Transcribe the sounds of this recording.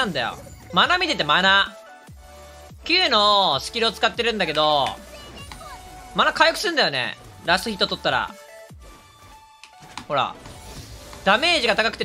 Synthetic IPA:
ãnd̪ajo̰ | manamʲit̪e̞t̪e̞mana | kʲɨːno̞sɨ̥kʲiɾɯ̟ot͡sɨ̥kat̪ːe̞ɾɯ̟̃nd̪ake̞d̪o̞ | manakajokɯ̟sɨɾɯ̟̃nd̪ajo̞nḛɾast̪oçʲit̪ːot̪ot̪ːaɾa̰ | ho̞ɾa̰ | d̪̥ame̞ːʑiɡat̪akakɯ̥t̪e

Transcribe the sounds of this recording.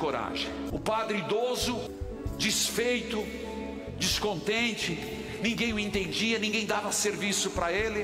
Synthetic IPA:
koɾa̰ʒḛ̃j̃ʊpad̪ɾɪid̪ozʊ | d͡ʒisfejt̪ʊ | d͡ʒiskõnt̪ẽnt͡ʃɪ | nĩŋɡẽj̃ʊẽnt̪ẽnd͡ʒiɐnĩɡẽj̃d̪avɐseɾvisʊpɾɐelɪ

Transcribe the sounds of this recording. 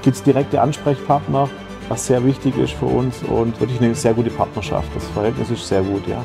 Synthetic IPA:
ɡ̥iːp̚tsd̥iʁɛk̚təʔanʃpʁ̥ɛçpʰaɐtnɐ | vasz̥eːɐvɪçtɪçɪ̰stfyːɐʔʊ̰nsʊ̰ntvɪɐk̬lɪçnəz̥eːɐɡuːtəpʰaɐtnɐʃa̰ftd̥asfɛɐhɛltnɪsɪʃtz̥eːɐɡuːtja̰ː

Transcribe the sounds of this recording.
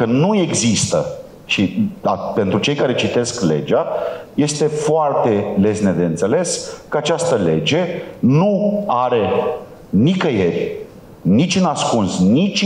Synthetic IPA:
kənue̞ɡzist̪ə | ʃiape̞nt̪ɾut͡ʃe̞jkaɾe̞t͡ʃit̪e̞skle̞̰d͡ʒaje̞st̪e̞foart̪e̞le̞sne̞d̪eɨnt̪se̞le̞skəat͡ʃast̪əle̞d͡ʒe̞nuaɾe̞ | nikəjerʲ | nit͡ʃʲunaskunsnit͡ʃʲ

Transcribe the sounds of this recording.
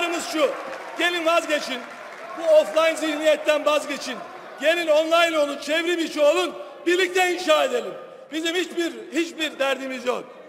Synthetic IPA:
aɾɯmɯzʃu | ɟ̥e̞lʲinvazɟe̞t͡ʃʰin | buoflˠajnzihnijɛt̪ʰːænvazɟet͡ʃʰin | ɟe̞lʲinonlˠajno̞lˠunt͡ʃʰevɾibiʃuo̞lˠun | biɾlʲic̚t̪ʰɛinʃaːed̪e̞lʲim | bizimhit͡ʃbiɾhit͡ʃbiɾd̪æɾd̪imizjo̰n

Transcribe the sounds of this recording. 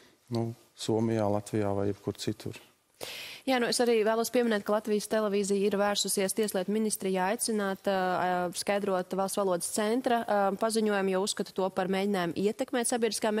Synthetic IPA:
nu | suɔmijaːlˠat̪vija̰ːva̰jɛpkuɾt̪sit̪ʰṵɾ | jaːnuesaɾiːvæːlˠuɔspiɛminɛːt̪̚kalˠat̪vijəst̪ɛlˠɛviːzijiɾvæːɾsusiɛst̪iɛslˠiɛt̪minist̪ɾijajt̪sinaːt̪skajd̪ɾuɔt̪vɑlˠst̪ʋalˠuɔd̪st̪sɛnt̪ɾapaziɲuɔjamjausskat̪u̥t̪uɔpaɾmeːɟʲinaːjmʔiɛt̪ɛkmɛːt̪ʲsabʲiɛd̪ɾi̥skaːm

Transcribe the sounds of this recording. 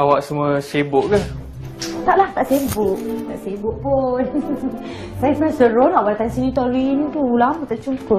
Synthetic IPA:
awaʔsəmuəsebʊʔka | t̪aʔlaht̪aʔsembʊʔt̪aʔsebʊʔpun | sajasəmaãsəɾonaʔwalt̪ansinĩt̪ɔɾinĩt̪uulamt̪at͡ʃumku

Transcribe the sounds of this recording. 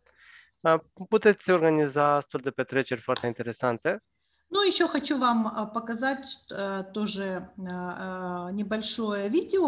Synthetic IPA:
put̪et̪sʲorɡɐnʲɪzast̪uld̪ɛpɛt̪ɾet͡ʃeɾʲfart̪əint̪eɾʲesant̪e | nujɪɕːoxɐt͡ɕuvampəkɐzatʲt̪oʐɨ | nʲɪbɐlʲʂo̞jəvʲidʲɪo

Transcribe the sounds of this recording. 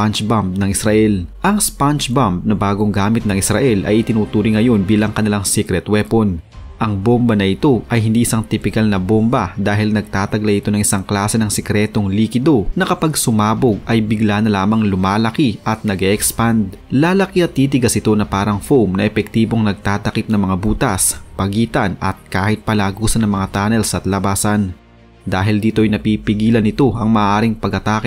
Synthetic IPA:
ant͡ʃbamp̚nɐŋɪsɾɐʔɛlʔɐŋspant͡ʃbamp̚nɐbaːɡo̞ŋɡaːmɪt̪̚nɐŋɪsɾɐ̰ʔɛlʔɐ̰jɪt̪ɪnuːt̪uːɾɪŋɐjo̞nbiːlɐŋkɐnɪlaŋsikɾɛt̪wɛpon | ʔɐŋbombɐnɐʔɪt̪o̞ʔɐjɦɪnd̪iːʔɪsaŋt̪ɪpɪkalnɐbombɐd̪aːɦɪlnɐɡ̚t̪aːt̪ɐɡlaʔɪt̪o̞nɐŋʔɪsaŋklaːsɛnɐŋsɛkɾɛːt̪o̞ŋliːkɪd̪o̞nɐkɐpaɡsʊmaːboɡ̚ʔɐjbɪɡlanɐlaːmɐŋlʊmaːlɐkiʔɐt̪̚nɐɡɛʔɛkspand̪̚laːlɐkiɐt̪ːiːt̪̬ɪɡɐsɪt̪o̞nɐpaːɾɐŋfowmnɐʔɛpɛk̚t̪iːboŋnɐɡ̚t̪aːt̪ɐkɪp̪̚nɐŋmɐŋabuːt̪ɐspɐɡiːt̪ɐnʔɐ̰t̪̚kaːhɪt̪̚pɐlaːɡuːsɐnɐŋmɐŋat̪aːnɛlsɐt̪lɐbaːsɐn | d̪aːɦɪld̪iːt̪o̞ʔɐjnɐpipɪɡiːlɐnɪt̪o̞ɐŋmɐʔːʔaːɾɪŋpɐɡɐt̪aːkɪ

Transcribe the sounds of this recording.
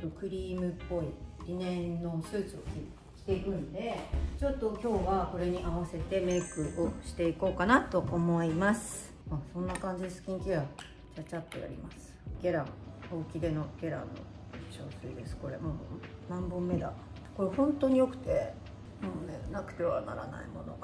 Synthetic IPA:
t̪okɯ̟ɾʲiːmɯ̟pːo̞iɾʲinẽ̞nːo̞sɨːt͡sɨokʲi | i̥t̪e̞ikɯ̟̃nd̪e̞t͡ɕo̞t̪ːo̞kʲo̞ːβako̞ɾe̞ɲ̟iʔaβase̞t̪e̞me̞ikɯ̟ʔoɕi̥t̪e̞iko̞ːkanat̪o̞ʔomo̞imasɨ̥ | asõ̞nːakãɲ̟d͡ʑid̪esɨ̥kʲĩŋkʲia | t͡ɕat͡ɕapːoja̰ɾʲḭmasɨ̥ɡ̥ʲeɾãŋoːkʲid̪e̞no̞ɡ̥ʲeɾã̰nːo̰ | t͡ɕoːsɨḭd̪e̞sɨ̥ko̞ɾe̞̰monãmbɯ̟̃mːe̞d̪a̰ | ko̞ɾehõ̞nt̪o̞ɲ̟ijo̞kɯ̟̥t̪e̞ | monenakɯ̟̥t̪e̞βa̰na̰ɾa̰na̰ḭmo̞no̞̰ɡ

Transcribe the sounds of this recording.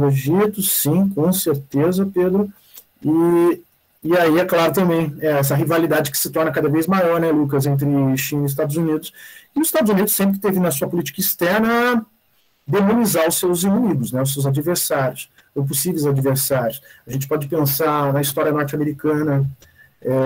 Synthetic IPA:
oʒit̪ʊsĩkõseɾt̪ezɐped̪ɾʊ | ɪ | ɪaiɛklaɾʊt̪ɐ̃mbẽj̃ɛɛs̬ɐɦivalid̪ad͡ʒɪkɪ̥sɪt̪ɔɾnɐkad̪ɐvejzmajɔɾnɛluk̬ɐzẽnt̪̬ɾɪʃĩnɪɪs̬t̪ad̪ʊzunid̪ʊsɪnʊzɪst̪ad̪ʊzunid̪ʊsːẽmp̬ɾɪt̪evɪnɐsuɐpʊlit͡ʃi̥kɐist̪ɛɾnɐ | d̪emõnizaɾʊsewzinumid̪ʊsnɛʊs̬ewzad͡ʒiveɾsaɾjʊs | p̬ʊsivejzad͡ʒiveɾsaɾjʊsɐʒẽnt͡ʃɪ̥pɔd͡ʒɪpẽsanɐist̪ɔɾiɐnɔɾt͡ʃɪameɾikɐ̃nɐ | ɛ

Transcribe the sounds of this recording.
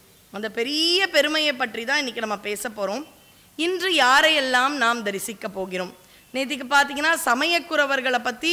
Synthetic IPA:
ɐnd̪ɐpɛɾɪjɐpɛɾɯmɐjɐɪpːɐʈrit̪ãːɪnːɪkːɯnɐmːɐpeːsɐpːoːɾõːm | ɪndrɯjaːɾɐjɛlːaːmnaːmd̪ɐɾɪsɪkːɐpːoːɣɪɾoːm | neːt̪̬ːɪk̬ːɯpːaːɾt̪̬iːŋɡɐnːaːsɐmɐjɐkːɯɾɐʋɐɾɣɐɭɐpːɐt̪ːi

